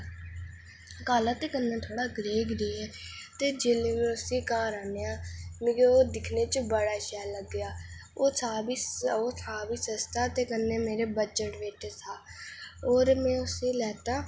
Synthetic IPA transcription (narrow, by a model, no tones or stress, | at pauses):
kaːlaːt̪eːkənːãːt̪ʰoːɽaːɡɾeːɡɾeːɛːt̪eːd͡ʒeːleʋẽːʊsĩːkaːɾaːneːaːmɪɡeoːd̪ɪkʰneːt͡ʃəbəɽaːʃɛːləɡːɪjaː | oːsaːbiːoːtʰaːbiːsəst̪aːt̪eːkənːeːmeːɾeːbəd͡ʒəʈʋeːʈʰeːsaːoːɾmɛ̃ːʊsĩːlɛːt̪aː